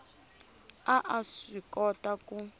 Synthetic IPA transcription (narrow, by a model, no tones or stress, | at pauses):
aʔaʂikɔtaku